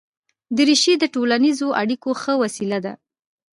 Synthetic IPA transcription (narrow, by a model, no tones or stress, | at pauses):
d̪əɾiʃid̪əʈolanizoʔa̰ɽikoxəwasilad̪a̰